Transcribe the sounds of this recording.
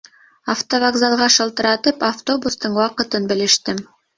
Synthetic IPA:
aft̪ovɐɡzalˠʁɑʃɤ̆lˠt̪ɤ̆ɾɑt̪ɤpaft̪o̞bust̪ɤɴwɑqɤ̆t̪ɤnbɘ̆lɘ̆ʃt̪ɘm

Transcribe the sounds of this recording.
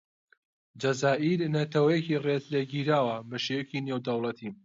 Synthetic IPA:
d͡ʒɐzaːʔiɾnɐt̪ʰɐwɐjeciret̪leɡiːɾaːwɐbɐʃewekinewd̪ɐwlˠɐt̪ʰim

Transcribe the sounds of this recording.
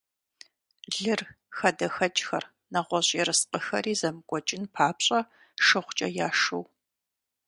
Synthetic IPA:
ɮɨr | xɐdɐxɐt͡ʃʼxɐr | nɐʁʷɔɕʼɛɾɨsqʼəxɐ̰ɾiːzɐmɨkʷʼɔt͡ʃʼɪnpʰaːpɕʼɐ | ʂɨχʷt͡ʃʼɐjaːʂɨw

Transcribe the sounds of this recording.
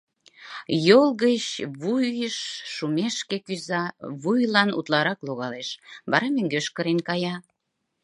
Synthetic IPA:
jolˠɣət͡ɕβujjəʃːumeʃkekyzɑβujlɑnṵt̪lɑɾɑkloɣɑleʃβɑɾɑmøŋɡøʃkəɾenkɑjɑ

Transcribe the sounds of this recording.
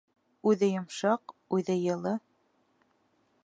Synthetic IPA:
ʉðɘjŏmʃɑqʉðɘjɤ̆lˠɤ

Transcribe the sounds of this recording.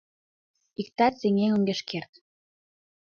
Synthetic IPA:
ik̚t̪ɑt̪seŋeŋəŋɡeʃkert̪

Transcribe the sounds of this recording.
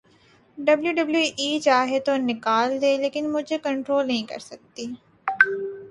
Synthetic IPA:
ɖɐbljuɖɐbljuʔiːt͡ʃaːɦet̪onɪkaːld̪eːleːkɪnmʊd͡ʒʱekɐ̃ɳʈɾoːlnɐɦĩkɐ̰ɾsɐk̚t̪iː

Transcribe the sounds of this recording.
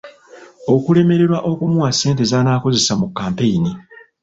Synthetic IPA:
o̞kule̞me̞ɾe̞ɾwaʔo̞kumuwasːe̞ːnte̞zaːnaːko̞ze̞samukːaːmpe̞jini

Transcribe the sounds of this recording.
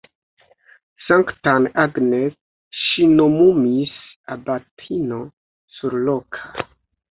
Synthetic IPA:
saŋktanaɡnet | ʃinomumis | abatʰino̞ | suɾlokʰa

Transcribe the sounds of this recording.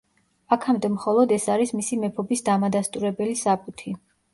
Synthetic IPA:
akʰamd̪ɛmχɔlˠɔd̪ɛsaɾismisimɛpʰɔbisd̪amad̪ast̪ʼuɾɛbɛlisapʼut̪ʰi

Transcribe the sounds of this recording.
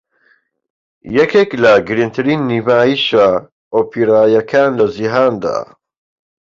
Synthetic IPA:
jɛkʰeklɐɡɨɾint̪ʰɨɾiːnːiːvaːjiʃa | oːpʰiɾaːjɐkʰaːnlɐziɦaːnd̪a̰ː

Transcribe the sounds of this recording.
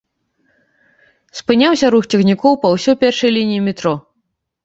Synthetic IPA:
spɨnʲawsʲɐɾuxt͡sʲɛxnʲikɔwpɐwsʲɔjpʲɛrʂɐjlʲinʲijimʲɪt̪ɾɔ

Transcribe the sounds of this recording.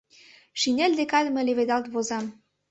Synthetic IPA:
ʃinʲælʲd̪ekɑd̪̆mɤ̆leβed̪ɑlt̪βozɑm

